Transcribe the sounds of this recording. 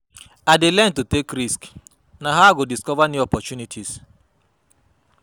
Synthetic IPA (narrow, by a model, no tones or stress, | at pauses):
adɪlɛntutekɾisk | naɦaɡodiskɔvaniɔpɔt͡ʃunitʰis